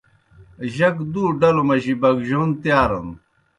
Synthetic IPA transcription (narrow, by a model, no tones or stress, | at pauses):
ʑɐkd̪uːɖɐlomɐʑibɐɡʑont̪jaːɾɐ̰n